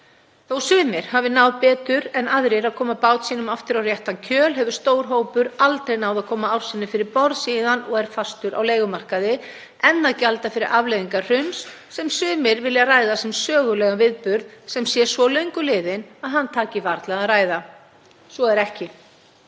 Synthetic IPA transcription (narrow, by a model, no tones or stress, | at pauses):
θowsʏːmɪɾ̥havɪnawðpɛːt̪ʏɾɛnaðɾɪɾaðkʰɔːmapaːwt̪siːnʏmaft̪ɪɾawrjɛht̪ancʰœːlɦɛvʏɾ̥st̪oːwɾ̥ɦoːwpʏɾalt̪ɾejnaːwðaðkʰɔːmaawɾ̥sɪnːɪfɪɾɪɾpɔɾðsiðanɔɣɛɾ̥fast̪ʏɾa̰wleːjɣʏmar̥kaðɪ | ɛnːacalt̪afɪɾɪɾʔavlejðiŋkar̥ʏnsː | ɛmsʏːmɪɾvɪljaraːjðasɛmsœːɣʏlɛːɣavɪðpʏɾðsɛmsjɛ̥svɔlœɥjŋkʏlɪːðɪnaðɦanːt̪ʰaːcɪvaɾt̪laɣaðraːjða | sɔɛɾɛhcɪ